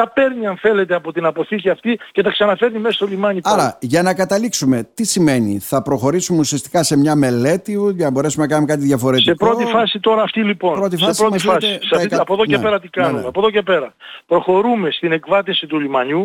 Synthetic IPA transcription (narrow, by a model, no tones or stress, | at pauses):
ɐpe̞ɾniɐɱθe̞le̞t̪eɐpo̞t̪inɐpo̞θiciɐft̪ice̞θɐksɐnɐfe̞ɾnimesɐst̪olimɐɲiɐɾɐʝɐnɐkɐt̪ɐliksume̞t̪isime̞nḭθɐpɾo̞xo̞ɾisumeusiɐst̪i̥kɐse̞mɲɐme̞le̞t̪iʝɐnɐbo̞ɾe̞sumenɐkɐnumekɐt̪̬iðʝɐfo̞ɾe̞tsiekpɾo̞t̪ifɐsit̪o̞ɾɐft̪ilipo̞npɾot̪ifɐsɾomsɐsiɐkɐpoðoncepe̞ɾɐt̪ikɐnumeɐpoðoce̞pe̞ɾɐpɾo̞xo̞ɾume̞st̪ine̞kvɐt̪isit̪ulimɐɲu